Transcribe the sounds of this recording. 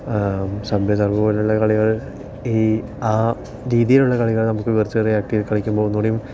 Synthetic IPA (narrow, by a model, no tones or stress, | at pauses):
sɐbʱjɐsɐrbɐʋiluɭːɐkɐɭiɣɐɭ | iː | aː | ɾiːðijiluɭːɐkɐɭiɣɐɭnɐmukːɨʋirt͡ɕːɨɨriaːk̚ʈijilkɐɭikʲːumboːunːoːɽejum